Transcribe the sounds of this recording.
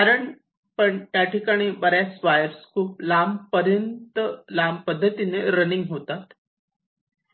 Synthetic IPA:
kaɾəɳ | pəɳt̪jaʈikaɽ̃ibəɾjasʋajəɾskuplampəɾjənt̪əlampəd̪ʱːət̪ineɾəniŋɡɦot̪at̪

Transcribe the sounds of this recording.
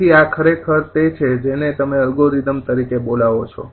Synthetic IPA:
iakʰəɾekʰəɾt̪et͡ʃʰed͡ʒenet̪əmeəlɡoɾid̪əmt̪əɾikebolaʋot͡ʃʰɔ̰

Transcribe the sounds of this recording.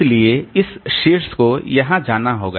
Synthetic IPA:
lieɪsʃeːɾskojɐɦãd͡ʒaːnaɦo̰ːɡa

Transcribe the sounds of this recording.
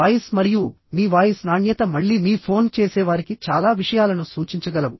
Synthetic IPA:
aːjismɐɾiju | miːʋaːjɐsnaːɳjɐt̪ɐmɐɭːiːmiːpʰo̞ːnt͡ʃeːsɛːʋaːɾikit͡ʃaːlaːʋiʂɐjaːlɐnusuːt͡ʃiɲt͡ʃɐɡɐlɐʋu

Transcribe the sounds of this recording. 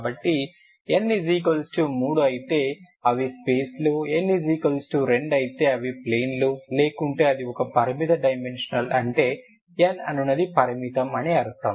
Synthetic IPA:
kabɐʈːi | enːiziːk̬ɐlsʈumuːɽuɐjit̪e̞ː | ɐʋispeːsluenːiziːkɐlsʈuɾe̞ɳɖɐjit̪e̞ːɐʋipleːnlule̞ːkuɳʈe̞ːɐd̪iɔkɐpɐɾimit̪ɐɖɐjmenʂɐnɐlɐɳʈe̞ː | enɐ̰nunːɐd̪ipɐɾimit̪ɐmɐniɐɾut̪ɐm

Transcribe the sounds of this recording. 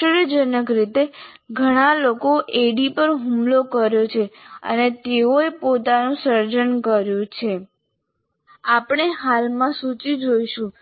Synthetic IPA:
ɾjd͡ʒənəkɾit̪e | ɡʱəɽ̃alokoʔeɽipəɾɦumlokəɾjot͡ʃʰeə̰net̪eoepot̪anũsəɾd͡ʒənkəɾjũt͡ʃʰe | apɳ̃eɦalmãsut͡ʃid͡ʒoiʃũ

